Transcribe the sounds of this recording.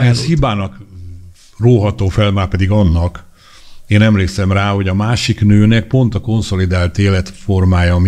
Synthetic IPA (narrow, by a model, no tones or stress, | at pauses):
ɛshibaːnɒk | roːɦɒt̪oːfɛlmaːpɛd̪iɡɒnːɒk | eːnɛmleːksɛmraːho̞ɟɒmaːʃiknøːnɛk̚po̞nt̪ɒko̞nso̞lid̪aːlt̪eːlɛt̪fo̞rmaːjɒm